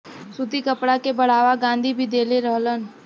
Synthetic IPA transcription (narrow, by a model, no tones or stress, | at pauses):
sud̪ʱikəpɽakebəɽ̤aːʋaɡãːnd̪ʱibʱid̪eːleɾəɦlən